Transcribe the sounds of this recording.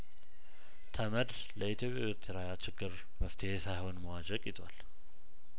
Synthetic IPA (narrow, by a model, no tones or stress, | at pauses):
t̪ʰəməd̪ | ləit̪jo̞pʼjawɪɾt̪ʰeɾajat͡ʃɪɡːɨɾ | məft̪ʰəhesajho̞nməwad͡ʒəkʼɪt̪ʰwal